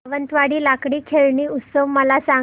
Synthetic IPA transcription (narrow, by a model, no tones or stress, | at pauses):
ʋənt̪ʋaɽiːlakɽiːkʰeɭɳiːut̪səʋməlasa